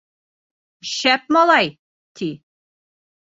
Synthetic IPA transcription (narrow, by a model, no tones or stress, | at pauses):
ɕæp̚mɒlˠɑj | t̪ʰi